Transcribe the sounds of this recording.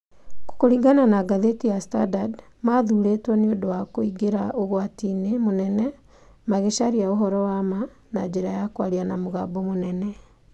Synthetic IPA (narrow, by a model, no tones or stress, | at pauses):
ko̥koɾiɡananaɡaðetijastadad | maðuɾetwɔneodowakoiɡeɾaoɣwatiːnemonɛnɛ | maɣeʃaɾiaoɦɔɾɔwama | nad͡ʒeɾajakwaɾianamoɣabomonɛnɛ